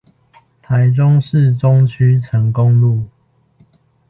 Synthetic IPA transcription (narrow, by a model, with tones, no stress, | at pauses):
t̪ʰa˨˦ɪʈ͡ʂʊ˦ŋʂɻ̩˥˨ʈ͡ʂʊ˦ŋt͡ɕʰy˥˦ʈ͡ʂʰə˨˦ŋkʊ˦ŋlu˥˨